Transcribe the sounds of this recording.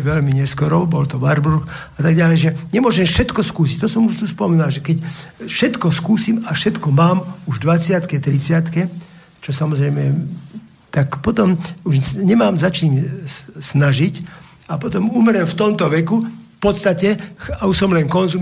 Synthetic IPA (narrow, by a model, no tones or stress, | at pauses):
ʋɛlmiɲɛskɔɾɔbɔlt̪ɔʋaɾbuɾx | at̪aɡɟalɛjʒɛɲɛmʊɔʒɛmfʃɛt̪kɔskuːs̬ic̚t̪ɔsɔmuʃt̪uspɔminalʒɛkɛcfʃɛt̪kɔskuːsimafʃɛt̪kɔmaːmuʒd̪ʋat͡sɪat̪kɛt̪ɾit͡sɪat̪kɛ | t͡ʃɔsamɔzɾɛjmɛ | t̪akpɔt̪ɔmuʒɲɛmaːmzat͡ʃiːɲsnaʒic | apɔt̪ɔmumɾɛmft̪ɔmt̪ɔʋɛkufpɔt̪st̪acɛauʃsɔmlɛnkɔnzum